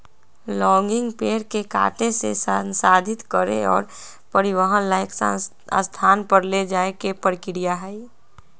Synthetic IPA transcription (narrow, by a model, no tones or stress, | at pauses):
lɔ̃ːŋɡɪ̃ŋɡpeːɾkeka̰ːʈesḛsnsaːd̪ʱɪt̪kəɾḛɔ̰ːɾ | pəɾɪʋəɦənlaːɪksa | st̪ʰaːnpəɾled͡ʒaːekepəɾkɪɾijaɦɛi